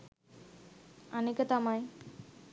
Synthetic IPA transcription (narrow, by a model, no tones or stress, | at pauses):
ənekət̪amaj